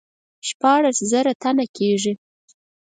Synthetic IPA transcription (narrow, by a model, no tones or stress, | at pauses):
ʃpɑɽaszaɾat̪anakʰeʐi